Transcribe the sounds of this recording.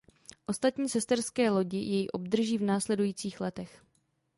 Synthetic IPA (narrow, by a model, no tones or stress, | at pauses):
ʔo̞st̪at̪ɲiːsɛst̪ɛrskɛːlo̞ɟɪjʔɛjiʔo̞b̚d̪r̩ʒiːvnaːslɛdujiːt͡siːxlɛt̪ɛx